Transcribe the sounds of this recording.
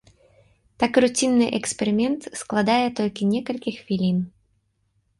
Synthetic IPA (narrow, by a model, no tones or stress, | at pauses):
t̪akrut͡sʲinːɨʔɛkspʲɛɾɨmʲɛnt̪sklˠad̪ajɛt̪ɔlʲkʲinʲɛkɐlʲkʲixfʲilʲin